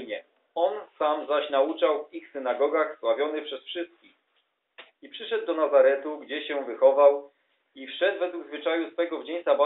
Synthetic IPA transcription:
ɲɛ | ɔnsamzaɕnaut͡ʂawvixsɘnaɡɔɡaxswavʲjɔnɘpʂɛsfʂɘst̪̚kʲix | ipʂɘʂɛd̪̚ːɔnazaɾɛt̪uɡd͡ʑɛɕɛvɘxɔvaw | ifʂɛd̪vɛd̪wuɡzvɘt͡ʂajusfɛɡɔvd͡ʑeɲsaba

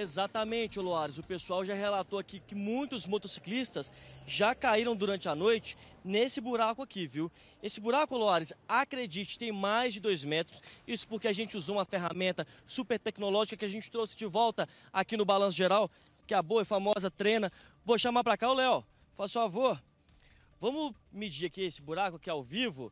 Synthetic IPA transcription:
ezat̪amẽnt͡ʃɪoloaɾɪzʊpesuawʒaɦelat̪oakikɪmũj̃t̪ʊzmot̪osi̥klist̪ɐsʒakaiɾɐ̃w̃d̪uɾɐ̃nt͡ʃɪanojt͡ʃɪ̥nesɪbuɾakʊakiviw | esɪbuɾakʊoloaɾɪsakɾed͡ʒit͡ʃɪkt̪ẽj̃majzd͡ʒɪd̪ojzmɛt̪ɾʊsisʊ̥poɾkeaʒẽnt͡ʃɪuzoũmɐfeɦamẽnt̪ɐsupeɾt̪ɛknolɔʒikɐkɪaʒẽnt͡ʃɪ̥t̪ɾowsɪ̥d͡ʒɪvɔwt̪ɐ | akinʊbalɐ̃s̬ʊʒeɾawkɪaboɐɛfamɔzɐt̪ɾẽnɐ | voʃamapɾakaʊlɛw | fasʊfavo | vɐ̃mʊmɪd͡ʒiɾakiesɪbuɾakʊakiawvivʊ̰

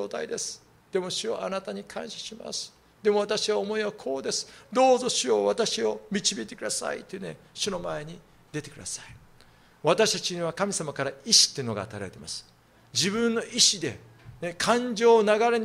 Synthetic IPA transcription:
oːt̪a̰id̪e̞sɨ̥ | d̪̥e̞mo̞ɕɨjo̰ʔanat̪aɲ̟ikʰã̰ɕaɕima̰sɨ̥ | d̪e̞mo̞βat̪aɕiβaomo̞iβakʰo̞ːd̪e̞sɨ̥d̪o̞ːzo̞ɕɨo̞βat̪aɕio̞mʲit͡ɕibʲiːt̪e̞kɯ̟d̪asa̰ḭt̪ːeine | ɕɨno̞mae̞ɲ̟i | d̪e̞t̪e̞kɯ̟d̪asai | βat̪aɕi̥t̪at͡ɕiɲ̟iβ̞akamʲisamakaɾaiɕi̥t̪ːeiɯ̟no̞ɡa̰ːt̪aiɾa̰ɾe̞t̪emasɨ̥ | d͡ʑibɯ̃nːo̞ʔiɕid̪e̞ | ne̞kʰãɲd͡ʑo̞ːnaɡaɾe̞ɲ

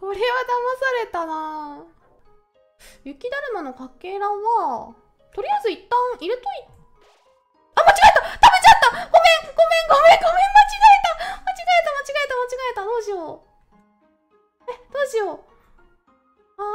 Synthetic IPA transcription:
ko̞ɾe̞βad̪amasaɾe̞t̪ana | jɯ̟kʲid̪aɾɯ̟nano̞kakːe̞ːɾãɰ̃βa | t̪o̞ɾʲijazɨit̪ːãɰ̃iɾɯt̪oi | amat͡ɕiɡaet̪at̪abe̞t͡ɕat̪ːaɡ̥omẽ̞ŋɡ̥o̞mẽ̞ŋɡomẽ̞ŋɡo̞mẽ̞mmat͡ɕiɡaet̪amat͡ɕiɡaet̪amat͡ɕiɡaet̪amat͡ɕiɡaet̪ad̪o̞ːʑio | ed̪̥o̞ːʑio | a

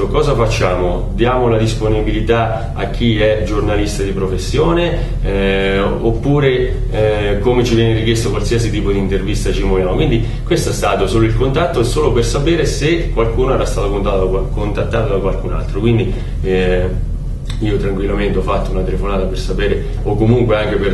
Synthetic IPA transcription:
okɔːzafat͡ʃːaːmo | d̪jaːmolad̪isponibilit̪a | ak̟ʰːiɛd͡ʒornalist̪ad̪ipɾofesːjoːne | ɛopːuːɾe | komet͡ʃivjɛneɾik̟jest̪okwalsiːɐsit̪iːpod̪int̪ervist̪at͡ʃimovjaːmokwind̪i | kwest̪oɛst̪aːt̪osoːloilkont̪at̪ːosoːlopersapɛːɾesekːwalkuːnoɛːɾast̪aːt̪okont̪at̪kont̪at̪ːaːt̪od̪akwalkuna̰lt̪ɾokwind̪i | iːot̪ɾaŋkwilːament̪eɔfːat̪ːounat̪elefonaːt̪apersapɛːɾe | okːomuŋkweaŋk̟eper

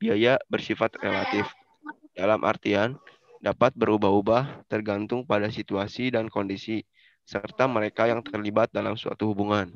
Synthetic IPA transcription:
biajabərsifat̪relat̪ɪf | d̥alamʔa̰rt̪ian | dapat̪̚bəɾubaɦubaht̪ərɡant̪ʊŋpadasit̪uasidankondisi | sərt̪aməɾekajaŋt̪ərlibat̪̚dalamsua̰t̪uhubuŋan

